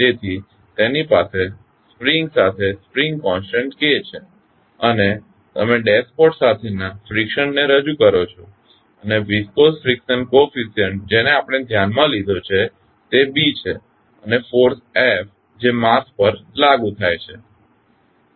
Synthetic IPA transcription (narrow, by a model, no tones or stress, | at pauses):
d͡ʒet̪ʰi | t̪enipase | spɾiŋɡsat̪ʰespɾiŋɡkɔ̃nsʈəɳʈket͡ʃʰe | əne | t̪əmeɖespɔʈsat̪ʰenafɾikʃənːeɾəd͡ʒukəɾot͡ʃʰo | əneʋiskosfɾikʃənkofisiənd͡ʒeneapəɽ̃ed̪ʱjanmãlid̪ʱot͡ʃʰe | t̪ebit͡ʃʰe | ənefoɾsef | d͡ʒemaspəɾlaɡut̪ʰajt͡ʃʰe